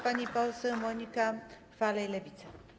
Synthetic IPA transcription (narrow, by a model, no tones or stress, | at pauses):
panʲipawsəmonʲika | falejlevit̪t͡sa